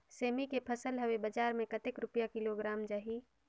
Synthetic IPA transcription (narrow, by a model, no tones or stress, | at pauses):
seːmikepʰəsəlɦəwebəd͡ʒaːɾmẽkət̪ɪkɾʊpjakɪloɡɾaːmd͡ʒaːɦi